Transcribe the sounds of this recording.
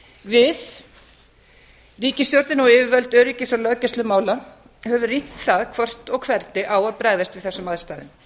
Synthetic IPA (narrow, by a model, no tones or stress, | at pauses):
vɪð | riːcɪst̪jɔɾt̪nɪnɔwɪːvɪvœlt̪œːɾiːcɪsawlœcɛst̪ʏmaːwla | hɛvʏrin̥t̪θaðkʰvɔr̥t̪ɔɣkʰvɛɾt̪ɪʔawaðpɾaːjðast̪vɪðθɛsːʏmað̥st̪aːðɪn